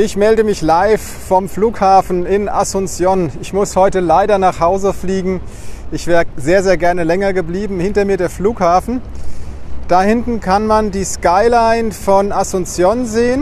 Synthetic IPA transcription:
ʔɪçmɛldəmɪçlaɪf | fɔmfluːkhaːfn̩ɪnʔa̰sʊnt͡sjɔnɪçmʊshɔʏtəlaɪdɐnaːχhaʊzəfliːɡŋ̩ | ʔɪçv̥eːʁəzeːɐzeːɐɡɛɐnəlɛŋɐɡəbliːbm̩hɪntɐmiːɐdeːɐfluːkhaːfn̩ | d̥ahɪntn̩kʰanmandiːskaɪlaɪnfɔnʔasʊnt͡sjɔnzeːən

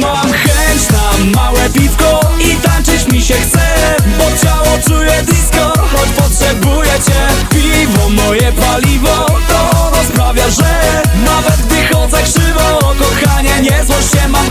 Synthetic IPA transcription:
mamxɛɲt͡ɕnamawɛpʲifkɔit̪ant͡ʂɨt͡ɕmʲiɕɛxt̪sɛ | bɔt͡ɕawɔt͡ʂujɛd̪iskɔxɔt͡ɕpɔtʂɛbujɛt͡ɕɛpʲivɔmɔjɛpalʲivɔt̪ɔɾɔspɾavʲjaʐɛ | navɛt̪vɨxɔd̪zɛkʂɪvɔ | kɔxaɲɛɲɛzwɔɕt͡ɕɛmam

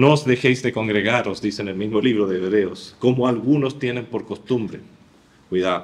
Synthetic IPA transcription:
noozðe̞xejzðeko̞ŋɡɾeɣaɾozðisenelmizmoliβɾoðeːβɾeoskomoalɣuno̞st̪je̞ne̞mpo̞ɾkost̪umbɾe | kwiða

